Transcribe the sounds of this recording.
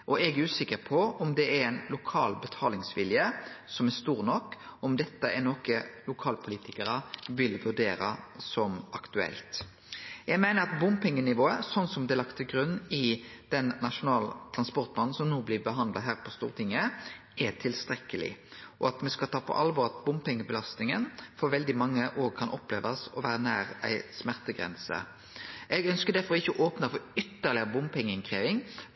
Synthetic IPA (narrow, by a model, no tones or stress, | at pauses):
ʔɔɛɡʉːsɪkːəɾpʰɔɔmd̪ɛæɾɛɪnlʊkʰɑːlbət̪ʰɑːlɪŋsʋɪljəsɔmɛst̪uːʁnɔkːɔmd̪ɛt̪ːəɛnɔkəlʊkʰɑːlpʰʊliːt̪ɪkəɾəʋɪlʋʉɾd̪eːɾə̰sɔmɑkt̪ʉɛ̰lt̪ | jæɡmæɪnəɾɑt̪bʊmpɪŋːənɪʋoːəsɔnsɔmd̪ɛlɑkt̪ʰːɪlɡɾʉnːɪd̪̥ɛnːɑʂʊnɑːlt̪ʰɾɑnspɔɾt̪mɑnn̩sɔmnuːblɪbəɦɑnd̪lɑ̰ɦæːʁpʰɔst̪uːʁət̪ʰɪŋːə | ʔɛt̪ʰɪlst̪ʁɛkːəlɪ̰ʔɔɑt̪mɛskɑt̪ʰɑːpʰɔ̰ʔɑlʋɔɾɑt̪̚bʊmpɛŋːəbəlɑst̪nɪŋənfɔɾʋɛld̪ɪmɑŋːəʔoːʁkʰɑnʔɔplḛːʋɑsɔʋæːɾənæːɾæ̰ɪsmæʁt̪əɡʁɛ̰nsə̰ | ʔɛɡœnskəd̪æfɔɾɪçːəɔʔoːpnəfɔɾʏt̪ːəʁlɪbʊmpʰɛŋːəɪŋkʰʁeːʋɪŋ